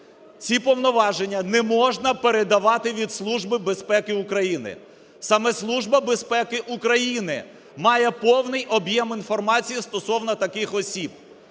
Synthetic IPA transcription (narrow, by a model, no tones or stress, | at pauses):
t͡sʲipɔwnɔʋɑʒenʲːɐnɛmɔʒnɐpeɾed̪ɐʋɑt̪ɪʋʲid̪slˠuʒbɪbespɛkɪukɾɐjinɪ̰ | sɐmɛslˠuʒbɐbespɛkɪʔukɾɐjinɪ | mɑjɛpɔwnɪjɔbjɛminfɔrmɑt͡sʲijist̪ɔsɔwnɐt̪ɐkɪxɔsʲib̚